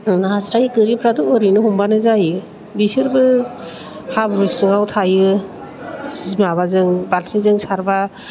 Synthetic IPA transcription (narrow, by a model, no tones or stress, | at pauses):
naasɾajɡɯɾipʰɾadɔːɾinɯɦɔmbanɯzajɯ | bisɯɾbɯ | habɾusɯŋawtʰajɯ | szmaβazɯŋbalsizɯŋsaɾba